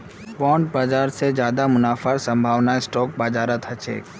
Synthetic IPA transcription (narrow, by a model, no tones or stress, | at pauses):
pɔ̃ːɳʈ̚baːd͡ʒaːɾsed͡ʒjaːd̪amʊnaːfaɾsə̃mbʱaːʋnaesʈɔːk̚baːd͡ʒaːɾət̪ʰɦɐt͡ʃʰḛː